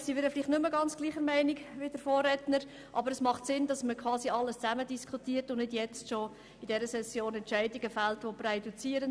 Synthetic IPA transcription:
siʋɛːɾəfliːχtnʏməɡɑnt͡sɡ̥liːχəɾmɛɪniɡʋɪd̥əɾfoːrːɛtnəɾ | ʔɑ̰bəɾəsmɑχtsɪnd̥ɑsməkʰʋɑːsiɑlːəst͡sæmədiskʰutiːəɾtʊnnɪdjɛt͡stʃo | idɛɾəsɛsːjoːnɛnt͡ʃæɪdiɡəfæltʋoprɛdut͡siːəɾən

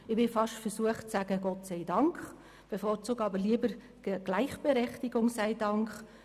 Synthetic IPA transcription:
ɪbɪfɑʃtfəɾsuəχtt͡sæːɡəɡ̥ɔtsɛɪdɑŋkχ | b̥efɔːɾt͡suːɡɑbəliəbəɾ | ɡ̥læɪχb̥eɾɛχtiɡʊŋsæɪdɑŋkχ

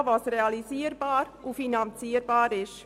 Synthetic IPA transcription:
vɑsreɑliziːəɾbɑːɾʔufinɑnt͡siːəɾbɑːɾɪʃ

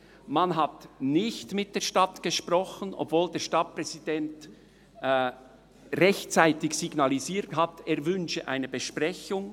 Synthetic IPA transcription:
manɦatnɪçtmɪt̚d̥eːɐʃtɑtɡ̥əʃprɔxənʔɔ̰bv̥oːldeːɐʃtɑt̚pr̥ɛzid̥ɛntː | ʁɛçt͡saɪtɪçsiɡnaliziːthateːɐvʏnʃəʔa̰ɪnəbəʃpʁɛçʊŋ

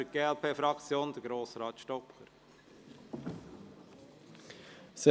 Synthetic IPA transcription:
əɡ̥eːɛlpʰeːfɾɑkt͡sjoːnd̥̪əɡɾoːsɾɑːt̪ʃtɔkːəɾ | sɛ

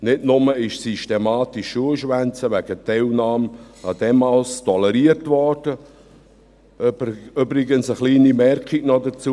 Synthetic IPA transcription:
nɪtnʊməɪʃsyʃtemaːtiʃːuəʃʋænt͡səʋɛɡ̥ətɛlnɑːmnadɛmɑlstʰɔləɾiətvɔrd̥ə | ybɾɪɡənsəχliːnimɛrkiɡnɔdət͡suː

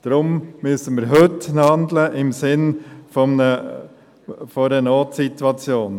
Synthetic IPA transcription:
d̥ɾʊmmyəsənmɪːɾɦʏtnhɑnd̪ləʔɪmsɪnfɔmnə | fɔdənoːtsit̪wɑt͡sjoːn

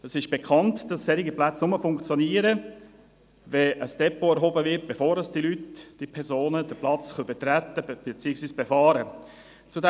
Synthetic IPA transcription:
ɛsɪʃb̥ekʰɑntd̥ɑsːɛɾiɡəplæt͡snʊməfʊŋkt͡sjoniːəɾə | vɛəsd̥ɛpoɛɾɦobəvɪt̚b̥efoːɾəsd̥ilytd̥ipʰɛɾzoːnəd̥əplɑt͡sχœbət̪ɾæt̪ːəb̥et͡siːəksviːsb̥efɑːɾə | t͡sudɛ

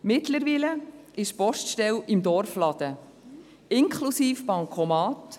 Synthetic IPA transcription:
mɪtləɾʋiːləɪʃpɔʃtʃtɛlɪmd̪ɔɾflɑd̥̪ə | ɪŋkχlusiːfpɑŋkʰɔmɑːt

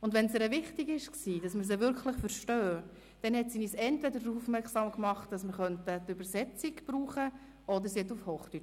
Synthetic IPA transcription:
ʊndʋɛnsɛɾəvɪχtiɡɪʃksiːdɑsməɾs̬əʋʏɾkʰlɪχfəɾʃtøː | d̥ɛnhɛtsiniːsɛntvɛdəɾduːfmɛɾksɑːmkmɑχt̚d̥ɑsməɾχœntətʉbəɾsɛt͡siɡb̥ɾuːχə | ɔdəɾsiɛtufhoːχty

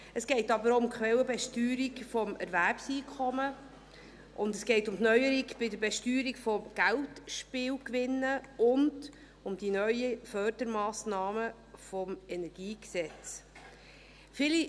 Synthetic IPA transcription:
əsɡ̥ɛɪtɑbəɾoʊmkχʋɛləbɛʃtyːɾikfɔmɛ̰ɾvæɾpsiːkʰɔmə | ʔʊnd̪əsɡ̥ɛɪtʊmtnœʏəɾiɡb̥ɪdəɾbɛʃtyːɾikfɔmɡ̥æltʃpɪːwkʋɪnːəʊnd | ʊmd̥inœʏəfœɾd̥əɾmɑːsnɑːmə | fɔmɛnɛɾɡ̥iːksɛt͡s | fɪli

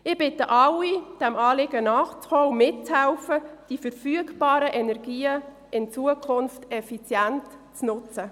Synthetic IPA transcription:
ɪb̥ɪtəʔɑwid̥æmɑːlɪɡənɑːχt͡sχɔːʊmɪtt͡shɛlfəd̥ifəɾfyəɡb̥ɑːɾəʔɛnɛɾɡiːə | ɪnt͡suəkʰʊnftɛfit͡sjæntt͡snʊt͡sə

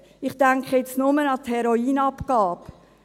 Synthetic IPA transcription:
ɪχtæŋkχəjet͡snʊmənɑthɛɾoiːnɑpkɑːp

